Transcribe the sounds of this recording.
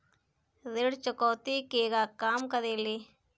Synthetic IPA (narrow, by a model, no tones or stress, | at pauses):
zɪɽt͡ʃəkoːt̪ikeːɡaːkaːmkɐɾeːleː